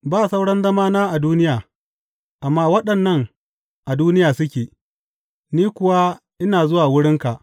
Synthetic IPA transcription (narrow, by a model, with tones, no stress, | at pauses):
baː˦˨sa˦wɽɐ˦nzɐ˦maː˦naː˦ʔa˨duː˦nɪ˦jaː˨ | ʔa˨mːaː˦wɐ˦ɗɐ˨nːɐ˦ŋ | ʔa˨duː˦nɪ˦jaː˨sʊ˦kʲeː˨ | niː˦kʷʊ˨wa˦ | ʔɪ˦naː˨zʊ˦waː˨wʊ˦ɽɪ˦ŋka˨ʔ